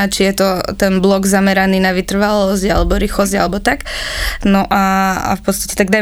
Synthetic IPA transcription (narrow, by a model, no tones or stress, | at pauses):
t͡ʃijɛt̪ɔt̪ɛnblɔɡzamɛɾaniːnaʋit̪r̩ʋalɔzɟalɛbɔɾixɔzɟalɛbɔt̪aknɔʔaa̰fpɔtst̪ḁcɛ̥t̪aɡd̪a